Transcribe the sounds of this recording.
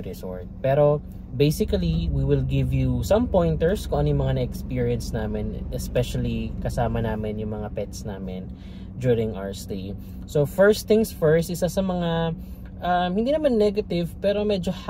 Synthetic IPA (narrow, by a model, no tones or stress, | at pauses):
ɾɪso̰ɹt̪̚pɛːɾo̞ | bejsɪkɐliwiwɪlɡɪvjusɐ̃mpõjnt̪ɛɹskõʔɐnjʊŋmɐŋanɐɛkspiɹiɐnsnaːmɪnʔɛspɛʃɐlikɐsaːmɐnaːmɪnjʊŋmɐŋapɛt̪snaːmɪ̰n | d͡ʒuɹɪŋʔa̰wst̪eɪ | sofɛɹst̪ɪ̃ŋsfɛɹst̪ʔɪsasɐmɐŋa | ʔamhɪnd̪iːnɐmanːɛɡɐt̪ɪvpɛːɾomɛd͡ʒoh